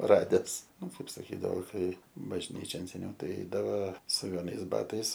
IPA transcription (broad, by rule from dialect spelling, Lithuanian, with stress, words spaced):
ˈrɑːdʲɛs ˈnʊ ˈkɐɪp sɐˈkʲiːdɐʋoː ˈkɐɪ bɐʒʲˈnʲiːt͡ʃʲoːn sʲɛˈnʲɛʊ ˈtɐɪ ˈɛɪdɐʋɐ sʊ ʋʲɛˈnɐɪs ˈbɑːtɐɪs